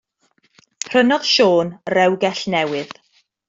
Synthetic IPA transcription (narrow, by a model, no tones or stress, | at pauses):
r̥ənɔð̥ʃoːnrɛwɡɛɬnɛwɨð